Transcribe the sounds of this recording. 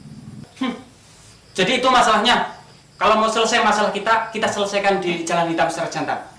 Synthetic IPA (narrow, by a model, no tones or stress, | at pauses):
h̩ | d͡ʒ̥adiːt̪umasalahɲa | kalomosələsajmasalahkit̪akit̪asələsajkandi̥d͡ʒalankit̪apsaɾḁd͡ʒ̥ant̪a̰n